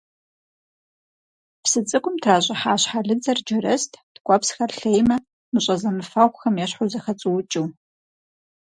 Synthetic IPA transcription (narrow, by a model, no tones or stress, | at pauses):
psɨt͡sʼɨkʷʼʊmtʰraːɕʼɪħaːɕħaɮɨd͡zɐrd͡ʒɪɾɐstʰd̥ɡʷʼɔpsxɐrɬejmɐ | mɨɕʼɐzɐnɨfaʁʷxɐmjɛɕħʊzɐxɐt͡sʼɨwʊt͡ʃʼuw